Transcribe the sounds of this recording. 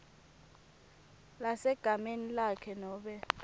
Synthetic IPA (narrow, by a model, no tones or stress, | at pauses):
lasɛɡ̥ʱamenilakʰɛnɔːɓɛ